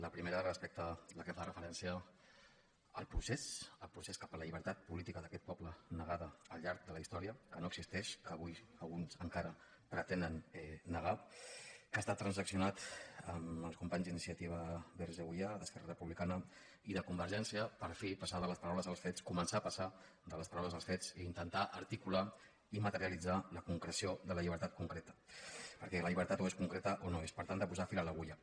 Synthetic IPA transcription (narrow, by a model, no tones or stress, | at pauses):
ləpɾimeɾərəspek̚t̪ələkəfarəfəɾɛnsiə | əlˠpɾusesəlˠpɾuseskḁpələʎiβəɾt̪at̪̚pulit̪ikəðəkɛt̪̚pɔplənəɣaðəːlʎaɾk̚d̪ələist̪ɔɾiəkənoəɡ̥zist̪ɛʃkəːβujəlˠɣunzəŋkaɾə | pɾət̪ɛnd̪ənɛːəɣa | kast̪at̪ːɾənzəksiunat̪əməlˠskumpaɲzd̪inisiət̪iβ̞əβeɾʒəɣujaðəskɛrərəpuβlikanə | iðəkumbəɾʒɛnsiəpəɾfipasaðələspəɾawləzəlˠsfet͡skumənsaːpəsa | d̪ələspəɾawləzəlˠsfet͡siːnt̪ənt̪aʔəɾt̪ikula | imət̪əɾiəlid͡zaləkuŋkɾəsioðələʎiβ̞əɾt̪at̪kuŋkɾet̪ə̥pəɾkɛləʎiβəɾt̪at̪oeskuŋkɾet̪əʔonoespəɾt̪and̪əpuzafilaləɣuʎa